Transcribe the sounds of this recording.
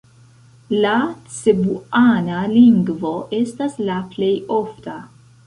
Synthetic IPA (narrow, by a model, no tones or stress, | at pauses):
lat͡sebuanaliŋɡvoʔestaslaplejofta